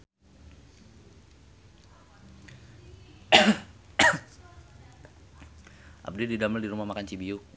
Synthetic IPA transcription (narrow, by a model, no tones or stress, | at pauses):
ʔa̰b̚dididaməldiɾumahmakant͡ʃibiu